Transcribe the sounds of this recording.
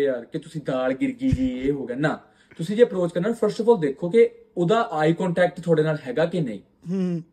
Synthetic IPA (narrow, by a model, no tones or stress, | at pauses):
aːɾkɪt̪ʊsĩːd̪aːlɡɪɾɡiːd͡ʒiːeːɦoːɡɛːnãː | t̪ʊsĩːd͡ʒeːəpɾoːt͡ʃkəɾnãːpʰəɾsʈɔfɔːld̪eːkʰoːke | oːd̪aːʔaːiːkɔ̃ːɳʈɛːk̚ʈt̪ʰʊaːɽeːnaːlɦɛːɡaːkɪnḛ̃ḭ̃ː | ɦ